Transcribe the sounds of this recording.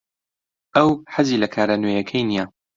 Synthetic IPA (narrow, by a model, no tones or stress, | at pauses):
ʔɐwħaziːlɐkʰaːɾanwojɐkʰɐjnijaː